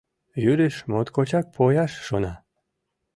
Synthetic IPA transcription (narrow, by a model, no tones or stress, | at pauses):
jyɾeʃmot̪kot͡ɕɑk̚pʰojɑʃːonɑ